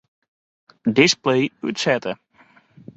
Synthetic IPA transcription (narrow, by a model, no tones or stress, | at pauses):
dɪsplejy̰tsɛtə